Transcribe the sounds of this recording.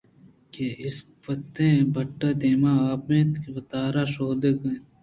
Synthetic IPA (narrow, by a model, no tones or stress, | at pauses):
keɪspɐt̪ẽːbʱɐʈːaːd̪eːmaːaːp̚mẽːt̪kʋɐt̪aːɾaːʃoːd̪eːkɐt̪